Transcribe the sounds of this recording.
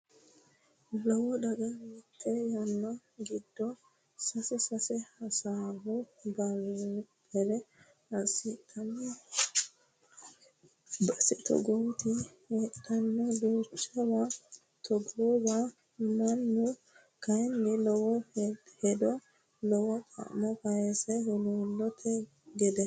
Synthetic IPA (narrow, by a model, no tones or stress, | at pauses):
lɔwɔd̪ɐɡɐɾit̪ʰʼːɛjɐnːɐ | ɡɪd̪ːɔ | sɐsɛsɐsɛhɐsaːhɔbɐwbɛɾɛ | ɐsit̪ʼʰːɐnːɛ | bɐsɛt̪ɔ̰ɡɔwt̪ɪheːt̪ːɐnːɔd̪uːt͡ʃːɐwa | t̪ʰɔɡoːba | mɐnːʊ | kɐjnːɛlɔwɔhɛd̪ɔ | lɔwɔkʰʼɐ̰ʔmɔfɐjɛsɛhʊluːlːɔt̪ʰɛ | ɡɛd̪ɛ